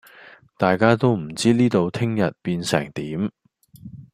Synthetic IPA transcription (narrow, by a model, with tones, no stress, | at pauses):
t̪aː˨jkaː˥t̪o˥wm̩˨˩t͡siː˥niː˥t̪o˨˧wt̪ʰɪ˥ŋjɐ˨t̚piː˧nsɛ̰ː˨˩ŋt̪iː˨˥m